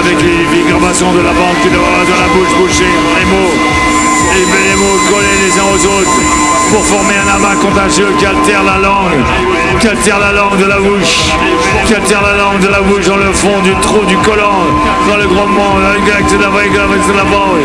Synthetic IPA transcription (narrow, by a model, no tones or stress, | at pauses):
avɛkleveɡʁabasɔ̃d̪əlabɑ̃k̪ːid̪əvavad̪ɑ̃labuʃbuʃe | ɛlemo | emɛlemokɔlelezɛ̃ozot̪χ | puʁfɔʁmeɛ̃namakɔ̃t̪aʒjøkʲiat̪ɛʁlalɑ̃ɡ | kiat̪ɛʁlalɑ̃ɡd̪əlabuʃ | kʲiat̪ɛʁlalɑ̃ɡd̪əlabuʃd̪ɑ̃ləfɔ̃d̪yt̪χud̪ykɔlɔ̃ | d̪ɑ̃ləɡʁɔ̃mɔ̃aiɡaksed̪avaeɡavaslabɑ̃ɡ